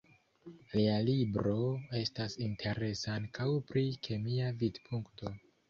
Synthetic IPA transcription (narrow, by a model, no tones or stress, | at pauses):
lialibɾo̞e̞stasintʰe̞ɾe̞saŋkawpɾikʰe̞miavidpʰuŋkto̞